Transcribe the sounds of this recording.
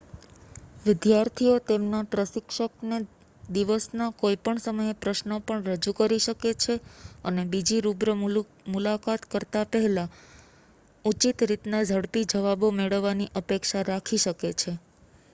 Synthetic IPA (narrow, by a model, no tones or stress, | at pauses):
ʋɪd̪jaɾt̪ʰiot̪emnaʈɾəʃɪkʃəkne | d̪iʋəsnakoipəɳsəməjepɾəʃnəpəɳɾəd͡ʒukəɾiʃəket͡ʃʰeənebid͡ʒiɾubɾə | mulakat̪kəɾt̪apəɦɛla | ut͡ʃit̪ɾit̪nad͡ʒʱəɽpid͡ʒəʋabomeɭəʋːaniʔəpekʃaɾakʰiʃəket͡ʃʰe